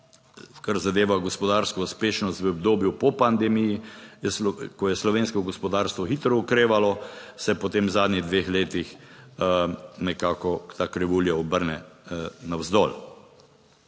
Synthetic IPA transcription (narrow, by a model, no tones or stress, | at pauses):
kaɾzad̪eːʋaɡɔspɔd̪aːɾskɔuspeːʃnɔst̪ʋəɔb̚d̪oːbjupɔpand̪ɛmijijɛskɔjɛslɔʋeːnskɔɡɔspɔd̪aːɾst̪ʋɔxit̪ɾɔukɾeːʋalɔsɛpɔt̪eːmzaːd̪ɲʲiɣd̪ʋeːxleːt̪ix | nɛkaːkɔt̪akɾɛʋuljaɔbəɾnɛnawzd̪ɔl